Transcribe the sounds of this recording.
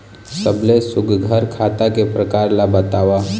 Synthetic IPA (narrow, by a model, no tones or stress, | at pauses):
səblesʊɡɡʱəɾkʰat̪akepɾəkaɾlabət̪aʋa